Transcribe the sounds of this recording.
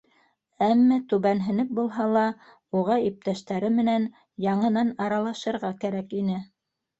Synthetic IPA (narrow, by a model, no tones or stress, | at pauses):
æmːæt̪ʉβænɦɘ̆nɘp̚bulˠɦɑlˠɑ | uʁɑip̚t̪æʃt̪æɾɘmɘ̆næn | jɑɴɤ̆nɑnɑɾɑlˠɑʃɤ̆ɾʁɑkæɾækinɘ